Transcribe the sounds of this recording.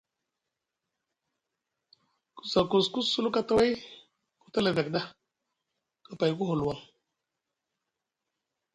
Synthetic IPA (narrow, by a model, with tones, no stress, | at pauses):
ku̥˨sa˨ku˨sku˦su˦lu˦ka˦ta˦wa˦j | ku˨ta˦la˨ve˨k̚da˦ | ka˨pa˨jku˦ɦu˨lwa˨ŋ